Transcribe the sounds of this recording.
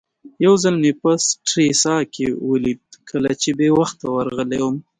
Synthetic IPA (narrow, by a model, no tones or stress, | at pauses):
jawzalmepasʈɾesɑkewəlid̪̚kʰəlat͡ʃebewaxt̪ːawaɾɣəlewəm